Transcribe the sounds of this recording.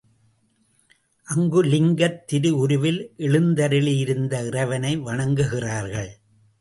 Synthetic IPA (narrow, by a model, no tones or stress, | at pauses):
ʔɐŋɡɯlɪŋɡɐt̪ːɪɾɯʊɾɯʋɪlʔɛɭɯnd̪ɐɾɪɭɪjɪɾɯnd̪ɐɪrɐɪʋɐnɐɪʋɐɳɐŋɡɯɣɪraːɾɣɐɭ